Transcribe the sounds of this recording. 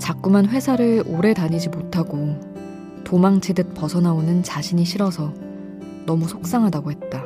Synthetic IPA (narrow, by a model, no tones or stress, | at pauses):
t͡ɕak̚k͈umanɸwe̞sʰaɾɯɭoɾe̞taɲid͡ʑimotʰaɡo | tomaŋt͡ɕʰidɯt̚p͈ʌsʰʌnaonɯnt͡ɕaɕʰiɲiɕʰiɾʌsʰʌ | nʌmusʰok̚s͈aŋɦadaɡoɦe̞t̚t͈a